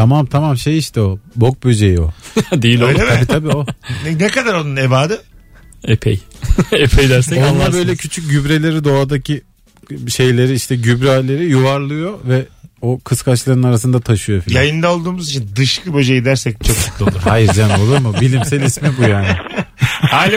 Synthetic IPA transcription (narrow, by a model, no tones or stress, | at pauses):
t̪ʰamamt̪ʰamamʃe̞jiʃt̪ʰɛobo̞k̚bø̞d͡ʒejio̞̰d̪ejiloemʰabit̪ʰabiːo̞nɛkad̪aɾo̞nunebaːd̪ɪepʰejepʰejd̪æɾsɛo̞nlˠaɾbø̞jlʲɛcʰyt͡ʃʰyc̚ɟybɾe̞lʲe̞ɾid̪o̞ad̪acʰi | ʃe̞jlʲe̞ɾiiʃt̪ʰɛɟybɾɛalʲeɾijuvaɾlˠɯjo̞vɛokʰɯskʰat͡ʃlˠaɾɯnaɾas̬ɯnd̪at̪ʰaʃɯjo̞fijajɯnd̪aolˠd̪uːmuzit͡ʃʰind̪ɯʃkɯbø̞d͡ʒejid̪æɾsɛc̚t͡ʃʰo̞k̚t͡ʃʰu̥t̪lˠouɾhajiɾd͡ʒanolˠuɾmubilʲimsɛlʲismibujaːnɪhaːlʲi